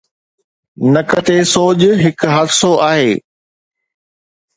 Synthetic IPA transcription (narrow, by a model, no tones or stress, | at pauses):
nɐkət̪esoːd͡ʑɦɪkɦaːd̪soʔaːɦeː